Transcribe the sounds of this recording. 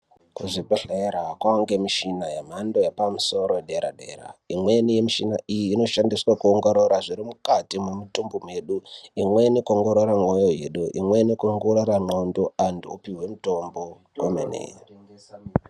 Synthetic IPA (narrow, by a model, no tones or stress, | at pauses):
kuʐibʱeɬeɾakwaŋɡe̞miʃinajem̤ando̞jepamuso̞ɾoɗeɾa̰ɗḛra̰imwe̞nijemiʃina̰ʔijiːno̞ʃandiswakuoŋɡoɾoɾaʐiɾimukatimumitumbomweɗuimwenikoŋɡoɾoɾaŋojo̞jḛɗuʔḭmwe̞nikoŋɡoroɾaŋ͡ǃondoanduopiwe̞muto̞mbo̞ | komenḛ